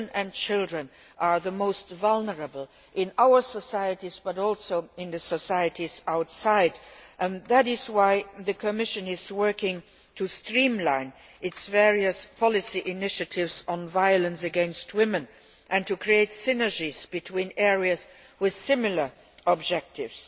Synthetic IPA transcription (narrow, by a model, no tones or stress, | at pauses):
nɨ̃nt͡ʃʰɪlˠdɹə̃n | ʔə˞ðəmoʊstvalˠnə˞əbəl̩ˠ | ʔɪ̃naʊə˞səsaɪɨtizbʌɾɔlˠsoʊɪ̃nðɨsəsaɪɨtizaʊtsaɪdʔnðæɾɪzwaɪðɨkʰɨmɪʃɨ̃nɪzwɜ˞kɪ̃ŋ | tʰustɹĩmlãɪ̃n | ɪtsvɛɹiəspʰɑlɪsiʔɪnɪʃɨtʰɪvzn̩vaɪələ̃nsɨɡɛ̃nst̚ʰwɪmə̃n | ʔɨ̃ntʰukʰɹ̥ieɪtsɪnə˞d͡ʒizbɨtʰw̥ĩnɛɹiəz | wɪð̥sɪmɪl̩ə˞ | ɔbd͡ʒɛk̚tɪvs